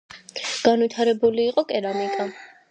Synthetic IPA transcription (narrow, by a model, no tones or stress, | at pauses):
ɡ̥anwit̪ʰaɾɛbuliːqʼɔkʼɛɾamikʼa